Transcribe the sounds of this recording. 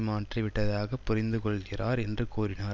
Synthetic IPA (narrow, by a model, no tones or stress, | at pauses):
maːʈriʋɪʈːɐðaːɣɐpːʊɾɪnd̪ɯkɔɭɣɪraːɾɛndrɯkuːɾɪnaː